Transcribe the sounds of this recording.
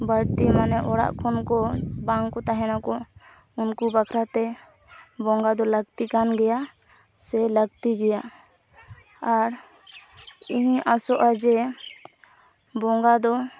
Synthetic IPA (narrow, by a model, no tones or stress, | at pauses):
bəɾt̪imanɛʔɔɽa̰ʔkʰɔnkɔbaŋkɔt̪aɦɛnakɔ | unkubakʰɾat̪ɛ | bɔŋɡad̪ɔləɡ̚t̪ikanɡɛja | sɛləɡt̪iɡɛja | aɾ | iɦʔasɔʔad͡ʒɛ | bɔŋɡad̪ɔ